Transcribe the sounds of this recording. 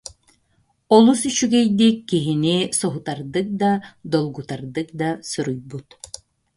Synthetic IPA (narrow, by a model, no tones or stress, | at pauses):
ɔlˠusyt͡ʃyɡɛjd̪ikːiɦinisɔɦut̪aɾd̪ɯk̚d̪ad̪ɔlˠɡut̪aɾd̪ɯk̚d̪asuɾujbut̪